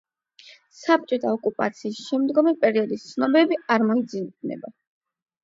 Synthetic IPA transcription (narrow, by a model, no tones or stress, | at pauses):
sap̚t͡ʃʼɔt̪ʰaɔkʼupʼa̰t̪sʰiːsʃɛmd̪ɡɔmipʼɛɾiɔd̪ist̪sʰnɔbɛbiaɾmɔid̪zi̥nɛ̰ba